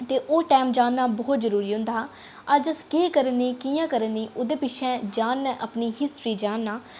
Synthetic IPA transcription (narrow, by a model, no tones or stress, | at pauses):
t̪eːʔoːʈɛːmd͡ʒaːnːaːbɔːt̪zəɾuːɾiːɦʊ̃nd̪aː | əd͡ʒəskeːkəɾənĩːkijãːkəɾənːiːʔʊd̪eːpɪʃʰɛ̃ːd͡ʒaːnːɛ̃ːʔəpniːɦɪsʈɾiːd͡ʒaːnːaː